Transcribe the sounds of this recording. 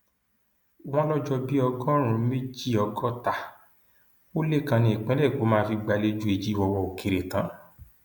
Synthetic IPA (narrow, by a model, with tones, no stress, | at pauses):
w̃ɔ̃˦lɔ˦d͡ʒɔ˧bi˦ɔ˧ɡɔ˦ɾ̃ũ˧˦me˦d͡ʒi˦ɔ˧ɡɔ˦ta˨ | o˦le˦kã˧nĩ˧e˨k͡pɛ̃˨˦lɛ˦˨ko˨˦mãː˦˧fi˧ɡ͡ba˧le˦d͡ʒu˦e˧d͡ʒi˦i˧wɔ˧wɔ˧o˨ke˨ɾe˨tã˨˦